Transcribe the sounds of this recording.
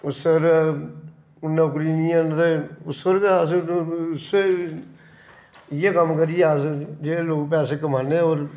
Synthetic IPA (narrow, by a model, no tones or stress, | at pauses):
ʊsəɾ | ʊnːãːk̬ɾiːnĩːɛːnt̪eʊsəɾkeasse | ɪjeːkəmkəɾɪjɛsd͡ʒeːloːɡp̬ɛːseːkəmaːnẽːoːɾ